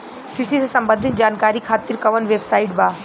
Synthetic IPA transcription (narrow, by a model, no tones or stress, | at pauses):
pʰɪɾsisesɐmbə̃nd̪ʱɪnd͡ʒaːnkaːɾikʰaːt̪iɾkɐʋənʋeːbsaːɪʈbaː